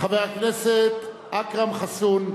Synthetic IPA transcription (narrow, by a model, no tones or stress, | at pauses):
χavejaknɛset̪ | akʁamχasun